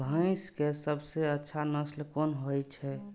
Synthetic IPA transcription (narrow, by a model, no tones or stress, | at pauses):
bʱə̃ɪ̃skesəbseətːʃʰanəslkonɦojt͡ʃʰɛ